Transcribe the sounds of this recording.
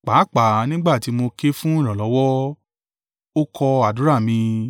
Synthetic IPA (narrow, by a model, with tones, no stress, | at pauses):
k͡pa˨˦k͡pa˨nĩ˦ɡ͡ba˦˨ti˨˧˦mo˧ke˦fũ˦ĩ˦˨ɾ̃ã˨lɔ˨˦wɔ˦ | o˦kʰɔ˧a˨du˨˦ɾa˦˨mĩ˧